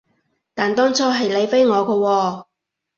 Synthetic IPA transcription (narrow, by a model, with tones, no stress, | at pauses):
t̪aː˨nt̪ɔː˥ŋt͡sʰɔː˥ɦɐ˨jle˨˧jfe˥jŋɔː˨˧kɔ˧wɔː˧